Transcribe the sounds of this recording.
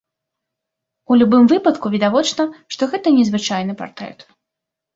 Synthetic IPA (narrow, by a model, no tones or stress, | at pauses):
ulʲubɨmvɨpɐt̪kuvʲid̪avɔt͡ʂnɐʂt̪ɔɣɛt̪ɐnʲɛzvɨt͡ʂajn̪ɨpa̰rt̪ɾɛ̰t̪